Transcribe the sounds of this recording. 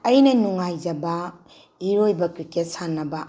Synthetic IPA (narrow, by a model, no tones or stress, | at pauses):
ɐjnɐnuŋajd͡ʒɐbɐ | iɾojbɐkɾiket̚sanːɐbɐ